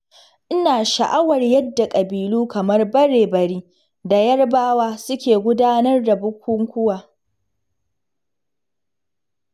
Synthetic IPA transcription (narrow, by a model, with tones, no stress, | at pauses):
ʔɪ˦naː˨ʃɐ̰˨ʔa˦wɐ˨rjɐ˦dːa˨kʼɐ˨biː˨luː˦kɐ˨mɐ˦rbɐ˦ɽeː˨bɐ˨ɽiː˦ | da˨jɐ˦rbaː˦waː˦sʊ˦kʲeː˨ɡʷʊ˦daː˦nɐ˦rda˨bʊ˦kʷʊ˦ŋkʷʊ˦waː˨